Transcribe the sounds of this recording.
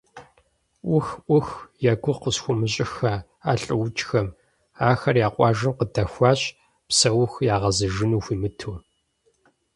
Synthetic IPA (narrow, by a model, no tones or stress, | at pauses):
ʔʷʊxʔʷʊxjɛɡʷʊqəsxʷʊmɨɕʼɪxɐ | aːɬʼɨwʊt͡ʃʼxɐm | aːxɐrjaːqʷʼɑːʒɨmqədɐxʷɑːɕʼ | psɐwʊxjaːʁɐzɨʒɪnuːxʷiːmɨtʰuː